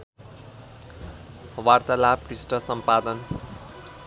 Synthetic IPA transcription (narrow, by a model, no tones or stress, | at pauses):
wart̪alaprisʈʌsʌmpad̪ʌn